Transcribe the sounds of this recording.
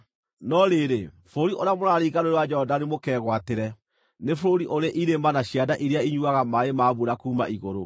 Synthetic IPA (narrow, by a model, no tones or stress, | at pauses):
nɔɾeɾefɾoɾiʔoɾeamoɾaɾiːɣaɾoɾewad͡ʒɛhɔdanemokɛːɣwateɾɛ | nefɾoɾiʔoɾaʔiɾemanaɕiadaʔiɾeaiɲuaɣamaemaːβuɾakuːma̰ʔiɣoɾo